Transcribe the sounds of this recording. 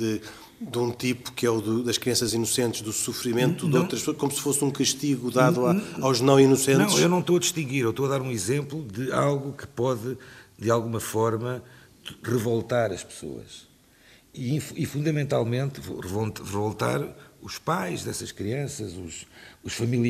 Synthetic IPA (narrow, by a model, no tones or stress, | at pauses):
d̪ɨ | d̪ũt̪ipu̥kɛuðuðɐʃkɾiɐ̃sɐzinusẽnt̪ʒðusufɾimẽnt̪uðow̃t̪ɾɐʃpsoɐʃkomusɨ̥fosũkɐʃt̪iɣuðaðuaawʒnɐ̃w̃inusẽñw̃ewnɐ̃w̃t̪oɐd̪iʃt̪ĩɡiɾewʃt̪oɐðaɾũizẽmplˠuðɨa̰lˠɣukɨ̥pɔðɨd̪ɨalˠɣumɐfɔɾmɐ | ʁɨvolˠt̪aɾɐʃpɨ̥so̰ɐ̰ʃ | iĩfifũnd̪ɐmẽnt̪alˠmẽnt̪v̰ʁɨvʁɨvolˠt̪a̰ɾuʃpajʒðɛsɐʃkɾiɐ̃sɐzṵʃuʃfɐmilˠ